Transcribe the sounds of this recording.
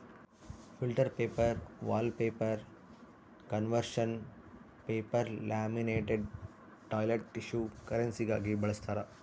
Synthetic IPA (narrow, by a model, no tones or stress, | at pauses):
filʈɐɾpeːpɐɾʋaːlpeːpɐɾ | kɐnʋɐɾʃɐn | peːpɐɾlaːmineːʈeɖ | ʈaːjleʈːiʃukɐɾɐnsiɡaːɡibɐɭɐst̪ʰɐɾɐ